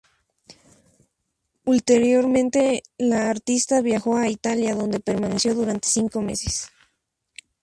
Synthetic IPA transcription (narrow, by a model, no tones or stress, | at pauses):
ult̪e̞ɾjo̞ɾmẽ̞nt̪e̞laːɾt̪ist̪aβjaxo̞ait̪aljaðo̞nd̪e̞pe̞ɾmanesjo̞ðuɾant̪e̥siŋko̞me̞̰ses